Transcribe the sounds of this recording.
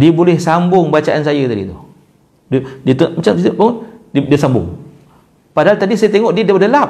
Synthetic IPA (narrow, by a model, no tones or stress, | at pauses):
diəbolɛhsambʊŋbat͡ʃaʔansajat̪adḭt̪uh | dədiət̪umat͡ʃamt͡ʃit̪əʔbaŋɔddiəsambʊ̰ŋ | padaɦalt̪adisajət̪eŋɔʔdiədadəlap̚